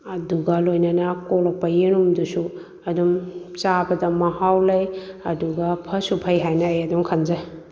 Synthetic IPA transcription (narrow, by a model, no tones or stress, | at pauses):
ɐduɡɐlojnɐnɐkolok̚pɐjiɾumdusu | ɐdumt͡ʃabɐdɐmɐhawlɐjɐduɡɐpʰɐsupʰɐjɦajnɐːjɐduŋkʰɐnd͡ʒɐ